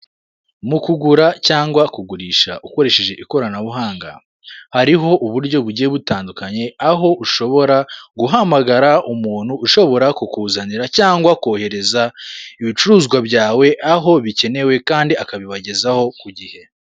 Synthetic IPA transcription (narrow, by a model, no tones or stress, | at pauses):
mukuɡuɾacaːŋɡwakuɡuɾiːʃaʔuko̞ɾe̞ʃe̞ʒe̞ʔiko̞ɾanaβuɦaːŋɡa̰ | haɾiɦo̞ʔuβuɾɟo̞βuɾɟieβutaːndukaɲe̞aɦo̞ʔuʃo̞βo̞ɾaɡuɦamaɡaɾaʔumuːn̥huːʃo̞βo̞ɾakukuːzaniɾacaːŋɡwakoːhe̞ɾe̞zaiβit͡ʃuɾuːzɡwabɟaːwe̞ʔaɦo̞βice̞ne̞we̞kaːndiakaβiβaɟe̞zaho̞kuɟihe̞